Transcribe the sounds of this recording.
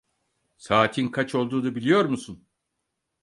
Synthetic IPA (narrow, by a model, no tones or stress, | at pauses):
saːt̪ʰinkʰat͡ʃʰo̞lˠd̪uːd̪abilʲijo̞ɾmusun